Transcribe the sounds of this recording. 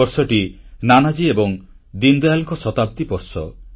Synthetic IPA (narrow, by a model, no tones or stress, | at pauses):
ɔɾsɔʈinanad͡ʒiebɔŋ | d̪ind̪ojalɔŋkɔsɔt̪ap̚d̪ipɔɾsɔ̰